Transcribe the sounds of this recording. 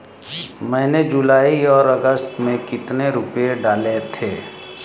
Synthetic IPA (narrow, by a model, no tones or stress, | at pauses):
mɛ̃ːned͡ʒʊlaːiɔːɾəɡəst̪mẽkɪt̪neɾʊpjeɖaːlet̪ʰeː